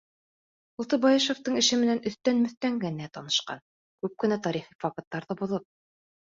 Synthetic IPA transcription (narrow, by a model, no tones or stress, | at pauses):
ŭlˠt̪ɤbɑjɤʃoft̪ɤɴɘ̆ʃɘmɘ̆nænɵ̆θt̪ænmɵ̆θt̪æŋɡænæt̪ɑnɤ̆ʃqɑ̰n | kʉp̚kɘ̆næt̪ɑɾiχifɑkɤ̆t̪ːɑɾðɤbŏðɤp̚